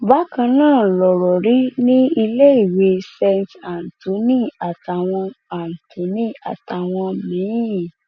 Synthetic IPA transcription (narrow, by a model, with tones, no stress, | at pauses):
ba˨˦kã˧nãː˦˨lɔ˨ɾɔ˨ɾi˨˦nĩ˦i˧le˦i˦˨we˧sɛ˧nta˨n̩˨to˨˦nĩ˦˨a˨ta˨w̃ɔ̃˧a˨n̩˨to˨˦nĩ˦a̰˨ta˨w̃ɔ̃˧mĩ˨˦jĩ˨